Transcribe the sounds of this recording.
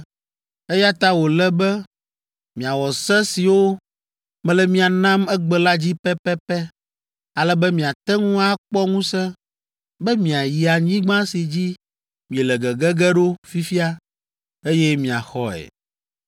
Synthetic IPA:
e˦ja˦t̪a˦wo˨lɛ˦bɛ˦ | mĩ˨a˨wɔ˨sɛ˦si˨wo˦ | mɛ̃˦lɛ˨mĩ˦a˨nã˦mɛ˦ɡ͡bɛ˦la˦d͡ʑi˦pɛ˦pɛ˦pɛ˦ | a˨lɛ˦bɛ˦mĩ˨a˨t̪ɛ˦ŋũ˦a˦k͡pɔ˦ŋũ˦sɛ˦ | bɛ˦mĩ˨a˨ji˨a˨ɲĩ˦ɡ͡bã˦si˨d͡ʑi˦ | mĩ˨e˨lɛ˨ɡɛ˨ɡɛ˦ɡɛ˦ɖo˦fi˦fi˦a˦ | e˦jɛ˦mĩ˨a̰˨xɔ˦ɛ̰˨

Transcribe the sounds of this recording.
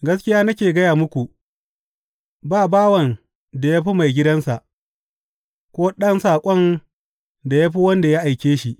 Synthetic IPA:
ɡɐ˦skʲɪ˦jaː˦nɐ˦kʲeː˨ɡɐ˦jaː˨mʊ˦kʷu˨ | baː˦˨baː˦wɐ˨n | da˨ja˦ɸi˦ma˨jɡʲɪ˦dɐ˦nsa˨ʔ | kʷoː˦ɗɐ˦nsaː˨kʷʼɔ˦n | da˨ja˦ɸi˦wɐ˦nda˨ja˦ʔa˨jkʲeː˦ʃi˦ʔ

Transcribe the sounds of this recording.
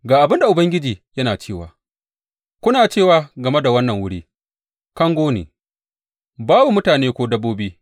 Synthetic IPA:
ɡaː˨ʔa˨bɪ˦nda˨ʔʊ˨bɐ˦ŋɡʲɪ˦d͡ʒiː˨jɐ˦naː˨t͡ʃeː˦˨wa̰ː˨ | kʷʊ˦naː˨t͡ʃeː˦˨waː˨ɡɐ˨me˦da˨wɐ˦nːɐ˨ŋwʊ˦ɽiː˦ | kɐ˦ŋɡʷoː˦nḛː˨ | baː˦bu˨mʊ˦taː˨neː˦kʷoː˦dɐ˦bːoː˦biː˦

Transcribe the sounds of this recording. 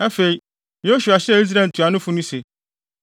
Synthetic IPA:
a˦fe˨ĩ˦˨ | o˦ɕu˨a˨ɕɪ˦ɛ˦˨i˦s̬ɾa˨n̩˨tʰu˨a˨nʊ̃˦fʊ˦nʊ̃˦se˨

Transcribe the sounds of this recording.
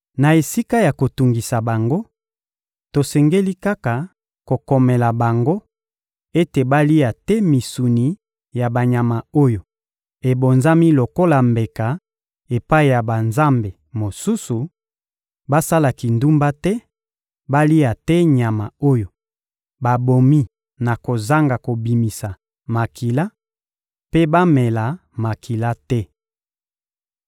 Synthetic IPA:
na˨e˨si˦ka˦ja˨ko˨tu˨ŋɡi˨sa˨ba˨ŋɡo˦ | to˨sɛ˨ŋɡe˦li˦ka˦ka˨ | ko˨ko˨me˨la˨ba˨ŋɡo˦ | e˦te˨ba˦li˦a˨tɛ˦mi˨su˨ni˨ | ja˨ba˨ɲa˨ma˨o˦jo˨ | e˨bo˨nza˦mi˦lo˨ko˦la˨mbe˨ka˨ | e˨pa˦i˨ja˨ba˨nza˦mbe˨ | mo˨su˦su˨ | ba˦sa˦la˨ki˨ndu˦mba˦tɛ˦ | ba˦li˦a˨tɛ˦ɲa˨ma˨o˦jo˨ | ba˨bo˨mi˦ | na˨ko˨za˦ŋɡa˨ko˨bi˨mi˨sa˨ | ma˨ki˨la˦ | pe˦ba˦mɛ˨la˨ma˨kʰi˨la˦tɛ˦

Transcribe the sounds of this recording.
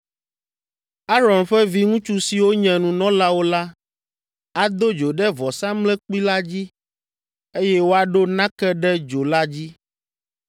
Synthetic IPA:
a˦ɾɔ˨nɸɛ˦vi˦ŋũ˦t͡ʃu˦si˨wo˦ɲɛ̃˨nũ˨nɔ̃˦la˦wo˦la˦ | a˨d̪o˦d͡ʒo˨ɖɛ˦vɔ˨sã˦mlɛ̃˦k͡pi˦la˦d͡ʑi˦ | e˦jɛ˦wo˦a˨ɖo˦nã˦kɛ˦ɖɛ˦d͡ʒo˨la˦d͡ʑi˦

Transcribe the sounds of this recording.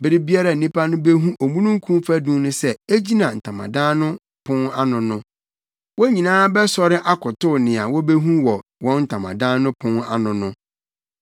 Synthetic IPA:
bɪ˨ɾɪ˦bi˦a˦ɾa˨n̩˨nĩ˦pʰa˦nʊ̃˦be˦ɦũ˦ʔo˨mũ˦nũ˦ŋ̩˦kʰũ˦mfæ˦dũ˦nʊ̃˦sɛ˦e˦d͡ʑi˦nã˨n̩˨tʰã˨mã̰˨dãː˦nʊ̃˦ | pʰʊ̃˦na˦nʊ̃˨nʊ̃˦ | wɔ˦ɲĩ˨nãː˦bɛ˦sɔ˦ɾɪ˦ʔa˦kʰʊ˨tʊ˦nɪ̃˨a˨wɔ˦be˦ɦũ˦wɔ˨wɔ̃˦n̩˦tʰã˨mã̰˨dã˦nʊ̃˦pʰʊ̃˦na˦nʊ̃˨nʊ̃˦

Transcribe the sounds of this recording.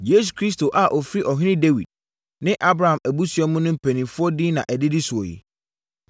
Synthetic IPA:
je˦s̬u˨kʰɾi˦s̬to˨ʔa˨ʔɔ˨fɾi˦ʔɔ˨ɦɪ̃˦nɪ̃˦de˦wḭ˨d̚ | nɪ̃˦ʔa˦bɾa˨ã˨mæ˨bu˦sɥɔ˦mʊ̃˦nʊ̃˦m̩˦pʰæ˨nĩ˨fʊ˦ɔ˦dɪ˦nã̰˨ʔæ˨dɪ˦dɪ˦sʊ˨ɔ̰˨jḭ˨

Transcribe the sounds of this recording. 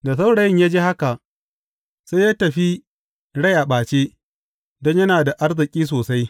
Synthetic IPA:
da˨s̬a˦wɽa˨jɪ˦ɲjaː˦d͡ʒeː˦ha˦ka˨ʔ | sa˦jaː˦tɐ˨ɸi˦ | ɽa˦˨jʔa˨ɓaː˨t͡ʃe˦ | dɔ˦ɲjɐ˦naː˨da˨ʔa˦rzɪ˨kʲʼiː˦s̬oː˨sa˦j

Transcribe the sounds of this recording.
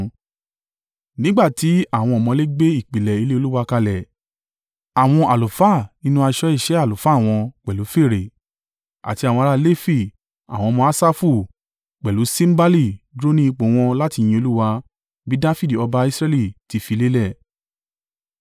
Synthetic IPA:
nĩ˦ɡ͡ba˦˨ti˨˦a˦˨w̃ɔ̃˧ɔ˨mɔ̃˧le˦ɡ͡be˦i˦˨k͡pi˨lɛ˨i˨˧le˦o˧lu˦wa˧ka˧lɛ˨ | a˨w̃ɔ̃˧ʔa˨lu˨fa˦˨nĩ˦nũ˦a˧ʃɔ˦i˦˨ʃɛ˨˦a˦˨lo˨fa˨˦˨w̃ɔ̃˧k͡pɛ˨lu˨˦fe˦˨ɾe˨ | a̰˨ti˧a˨w̃ɔ̃˧ɾa˧le˦fi˦˨ | a̰˨w̃ɔ̃˧mɔ̃˧˦a˦sa˦fu˦˨ | k͡pɛ˨lu˨˦sĩ˦m̩˦ba˦li˦˨dɾo˦nĩ˦i˧k͡põ˨˦w̃ɔ̃˧la˦ti˧˨j̃ĩ˧o˧lu˦wa˧ | bi˨˦da˦fi˦di˨ɔ˧ba˧i˧sɾɛ˦˧li˦˨ti˨˧fi˧le˦lɛ˦˨

